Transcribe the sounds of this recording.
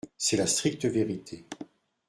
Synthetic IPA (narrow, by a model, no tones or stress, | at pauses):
sɛlast̪χik̚t̪əveʁit̪ʰe